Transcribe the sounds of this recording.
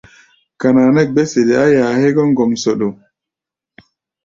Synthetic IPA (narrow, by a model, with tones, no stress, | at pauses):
ka˨naː˨nɛ˦ɡ͡bɛ˦se˨dɛ˨a˦jaː˨hɛ˦ɡɔ˦ŋɡɔ˨msɔ˨ɗɔ˨